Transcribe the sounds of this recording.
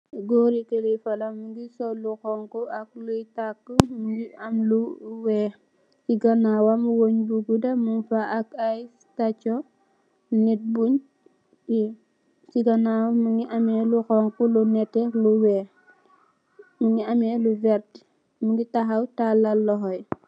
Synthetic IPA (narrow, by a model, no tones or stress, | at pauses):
ɡoɾikelifɐlamuɡisɔluxɔŋkuak̚lujtakːəmuɡiamluwɛː | siɡanawamwoɲbuɡudɐmunfaʔːkaj | tat͡ʃɔ | nit̚buɲ | i | siɡanawmuŋiʔamɛluxɔŋkulunɛtːɛluwɛː | muŋiamɛluvɛɾt | muŋɡitaɦawtalalːɔɦɔj